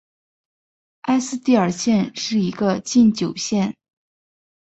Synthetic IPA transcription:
a˥ɪsɹ̩˥t̪i˥˩ə˞˨˩ɕjɛ˥˧nʂɻ̩˥˩i˧˥ɡə˧t͡ɕi˥˩nt͡ɕjo˨˩ʊɕjɛ˥˩n

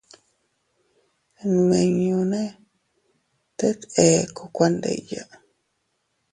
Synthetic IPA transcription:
nu˨ẽ˨ɲũ˧nẽ˦ | t̪e˦t̪e˨ko˧kʷa˧nd̪ḛ˨ja˨

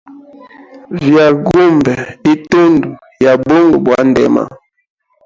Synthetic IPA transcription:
vja˨ɡu˦mbɛ˨i˦to˦ndu˨ | ja˨bo˦ŋɡo˨bwa˨˦ndɛ̰˨ma̰˨

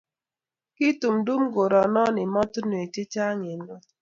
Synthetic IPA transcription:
ki˦tu˨m̩˨du˦m̩˦ɡo˨ɾɔ˨nɔ˦nɪ˨mɔ˦tʊ˦nu˨e˨te˦t͡ʃa˦ɲe˨n˦ɔ˦

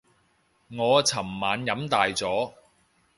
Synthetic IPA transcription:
ŋɔː˨˧t͡sʰɐ˨˩mːaː˨˧njɐ˨˥mt̪aː˨jt͡sɔː˨˥

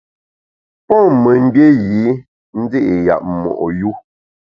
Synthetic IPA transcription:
pɔ̃˦˨mə˨m̩˦bje˦ji˨˦ | n̩˦de˦ʔe˨ja̰˨ʔ̚mɔ̰˨ʔɔ˨ju˦

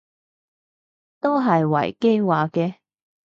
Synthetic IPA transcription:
t̪o˥wɦɐ˨jwɐ̰˨˩jke˥jwaː˨kɛː˧

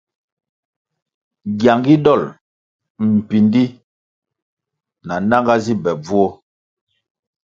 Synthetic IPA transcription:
ɡja˨ŋɡi˦dɔ˦˨l | m̩˨pi˨ndi˦ | na˨na˦ŋɡa˦zi˦bɛ˨b͡vu˦ɔ˦

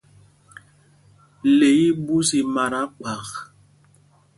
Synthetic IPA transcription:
le˨˦i˦bu˦si˨ma˨ɾa˦k͡pa˨x

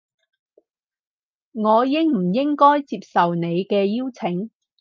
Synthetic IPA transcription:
ŋɔː˨˧jɪ˥ŋm̩˨˩jɪ˥ŋkɔː˥jt͡siː˧p̚sɐ˨wne˨˧jkɛː˧jiː˥wt͡sʰɪ˨˥ŋ

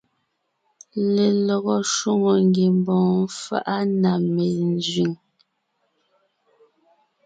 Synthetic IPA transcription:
le˨lɔ˨ɣɔ˨ʃwu˦ŋo˨ŋɡe˨mbɔ̃ː˨˦fa̰˦ʔa˦na˨me˨n˦zɥi˨ŋ

